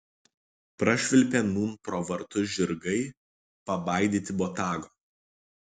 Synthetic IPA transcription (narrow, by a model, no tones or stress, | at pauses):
pɾɐʃʲʋʲɪlʲpʲɛnuːnpɾoːʋɐɾt̪ʊʒʲɪɾɡɐɪ | pɐbɑˑɪd̪ʲiːt̪ʲɪbɔt̪ɑːɡoː